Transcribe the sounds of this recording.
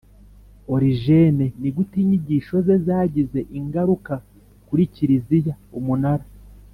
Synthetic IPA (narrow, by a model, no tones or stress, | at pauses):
o̞ɾiʒe̞ne̞niɡutiːɲiɟiːʃo̞ze̞zaːɟize̞ʔiŋɡaɾuka | kuɾiciɾizijaumunaɾa